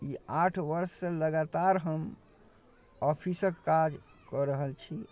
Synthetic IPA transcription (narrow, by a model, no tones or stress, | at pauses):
iaʈʰʋəɾsːeləɡat̪aɾɦəm | ɔpʰisəkːad͡ʒ | kɔɾəɦəlt͡ʃʰi